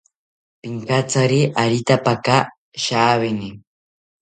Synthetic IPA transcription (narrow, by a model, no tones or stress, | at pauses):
piŋkat͡saɾiʔaɾit̪apaka | ʃaːβɪni